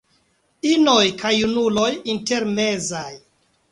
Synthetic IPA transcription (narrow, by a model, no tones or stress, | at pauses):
inojkʰajunulo̞jinte̞ɾme̞zaj